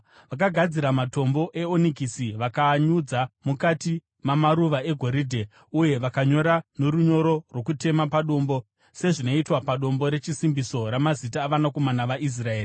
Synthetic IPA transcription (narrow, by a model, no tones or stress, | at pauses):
ʋak̬aɡʱad͡ziɾamato̞mbo̞ʔe̞onikisiʋakaɲud͡zamukati | mamaɾuʋae̞ɡʱo̞ɾidʱe | uje̞ʋakaɲo̞ɾano̞ɾuɲo̞ɾo̞rwo̞kute̞mapaɗo̞mbo̞ | se̞ʐino̞itwapaɗo̞mbo̞ɾe̞t͡ʃisimbiso̞ɾamazitaːʋanako̞manaʋaʔis̬rae̞ːri